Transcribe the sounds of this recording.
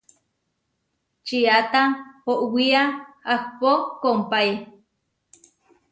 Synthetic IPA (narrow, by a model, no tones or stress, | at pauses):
t͡ʃiat̪ahoʔwiaahpokompaj